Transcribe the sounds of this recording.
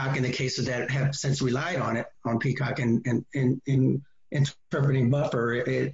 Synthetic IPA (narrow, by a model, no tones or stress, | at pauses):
ɑkɨ̃nðɨkʰeɪsɨzðɨt̚ɦɨv̥sɪ̃nsɹilaɪɾn̩ɪɾn̩pʰikʰɑkɨ̃nɨ̃nɨ̃nɨ̃n | ʔɨ̃ntʰ | ɜ˞pɹɨɾɪ̃ŋbʌfə˞ʔɪt̚